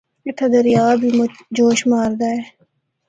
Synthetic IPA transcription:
ɪt̪ʰɐd̪ɐɾijaːbʱid͡ʒoːʃmaːɾd̪aːeː

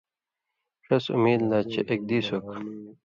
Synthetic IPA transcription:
ʂɐsṵmiːd̪laːt͡ɕʰeʔek̚d̪iːsok

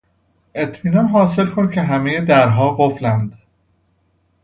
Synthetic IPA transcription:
ʔe̞t̪ʰmiːnɒnɦɒːse̞lkʰoncʰe̞ɦæmejed̪æɾɦɒːɡoflænd̪

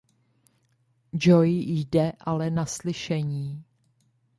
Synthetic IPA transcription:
d͡ʒojjdɛʔalɛnaslɪʃɛɲiː

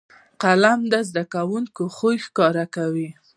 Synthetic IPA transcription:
qalamd̪əzd̪akawuŋkoxojxkɑɾakawi

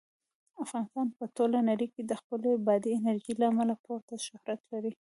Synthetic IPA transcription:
afɣɑnɪst̪ɑnpətolanaɾiked̪əxpəlebɑd̪iːnaɾʒilaːmalapoɾt̪aʃʊhɾat̪laɾi

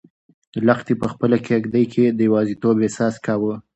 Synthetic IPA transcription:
laxt̪epəxpəlakʰeaɡd̪əjkʰed̪əjwɑzit̪obesɑskɑwə

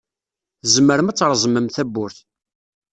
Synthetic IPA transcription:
θzəmːəɾəmæt͡sːɾˤzˤməmθæbːʊɾθ

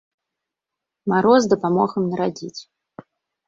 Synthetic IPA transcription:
maɾɔzd̪ɐpamɔxɐmnɐɾad͡zʲit͡sʲ

